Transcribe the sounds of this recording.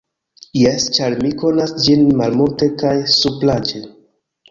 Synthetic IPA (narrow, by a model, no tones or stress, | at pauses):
jest͡ʃaɾmiko̞nasd͡ʒinmalmulte̞kajsuplad͡ʒe